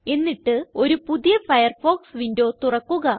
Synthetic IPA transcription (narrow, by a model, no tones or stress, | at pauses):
e̞nːiʈːɨo̞ɾupuðijɐfɐjɐrfo̞ːksʋindo̞ːt̪urɐkːuɣɐ